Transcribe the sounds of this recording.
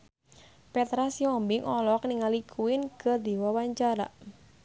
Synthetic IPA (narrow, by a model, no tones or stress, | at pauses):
pɛt̪ɾasiɔmbɪŋʔɔlɔk̚niŋalikʰuɪnkərd̪iwawaɲt͡ʃaɾa̰